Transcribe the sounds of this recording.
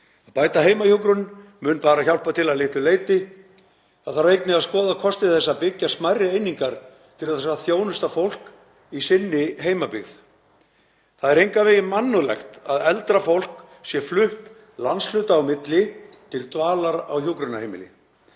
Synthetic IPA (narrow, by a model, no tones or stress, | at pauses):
aðpaːjt̪aɦeːjmajukɾʏnmʏːnpaːɾaçawl̥pat̪ʰɪlaðlɪht̪ʏleːjt̪ɪ | aðθaɾejt̪nɪaðskɔːðakʰɔst̪ɪθɛsːapɪcːasmajrɪejniŋkaɾ̥ | t̪ʰɪlθɛsːaθjoːwnʏst̪afowl̥k | isɪnːɪɦeːjmapɪɣð | θaðɛɾejŋkavɪjɪmanːʏlɛ̰xt̪aðɛlt̪ɾafowl̥k | sjɛflʏht̪ | lanslʏːt̪aːwmɪt̪lɪt̪ʰɪlt̪vaːlaɾa̰wçukɾʏnahejmɪ̰lɪ̰